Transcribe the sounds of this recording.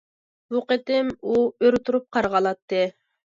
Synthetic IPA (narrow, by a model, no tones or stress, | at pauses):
b̥uqət̪ɪmuøɾt̪ʰuɾup̚qʰɑɾʁɑlˠɑt̪ːɨ